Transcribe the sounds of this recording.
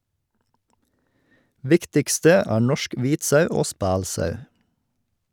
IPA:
ˈʋɪktɪkstə ˈæː ˈɳɔʃk ˈʋiːt ˈsœʉ ˈoː ˈspæːlˌsœʉ

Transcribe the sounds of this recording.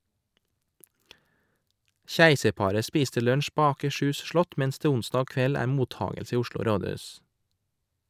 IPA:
ˈçæɪsəɾˌpɑːɾə ˈspiːstə ˈlœɳʃ ˈpoː ɑːkəˈʃʉːs ˈʃlɔt ˈmɛns ˈdeː ˈʊnsdɑː ˈkʋɛl ˈæːɾ ˈmuːˌtɑːɡəls ˈiː ˈʊʃɭʊ ˈɾoːˌdʉːs

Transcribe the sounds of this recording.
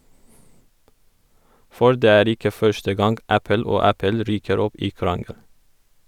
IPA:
ˈfɔɾ ˈdeː ˈæːɾ ˈɪkə ˈfœʃtə ˈɡɑŋɡ ˈæpəl ˈoː ˈæpəl ˈɾyːkəɾ ˈɔp ˈiː ˈkɾɑŋəl

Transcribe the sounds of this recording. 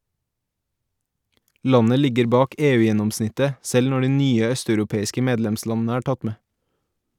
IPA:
ˈlɑnə ˈlɪɡəɾ ˈbɑːk ˈeːˌʉːˌjɛnɔmˌsnɪtə ˈsɛl ˈnɔ ˈɖiː ˈnyːə ˈœstɑʉɾʊˌpeːɪskə ˈmeːdlɛmˌslɑnn̩ə ˈæː ˈʈɑt ˈmeː

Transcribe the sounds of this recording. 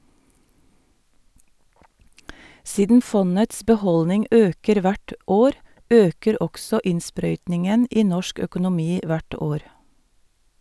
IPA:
ˈsiːdən ˈfɔnəts bɛˈhɔlnɪŋ ˈøːkəɾ ˈʋæʈ ˈoːɾ ˈøːkəɾ ˈɔksɔ ˈɪnˌspɾœʏtnɪŋən ˈiː ˈnɔʃk œkʊnʊˈmiː ˈʋæʈ ˈoːɾ

